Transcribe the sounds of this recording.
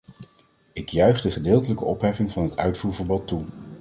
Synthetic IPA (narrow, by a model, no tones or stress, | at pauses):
ɪkjœɥχdəχədɪːlˠtələkəɔpɦɛfɪŋvɑnɦətœ̰ɥtfuːɹvəɹbɔtːu